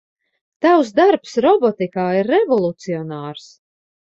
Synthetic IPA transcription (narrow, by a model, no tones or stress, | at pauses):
t̪awsd̪aɾpsɾɔbɔt̪ikaːiɾːɛvɔlˠut̪siɔnaːɾs